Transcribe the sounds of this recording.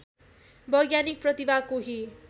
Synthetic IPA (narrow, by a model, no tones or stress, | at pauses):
bʌjɡjanik̚prʌt̪ibakoɦi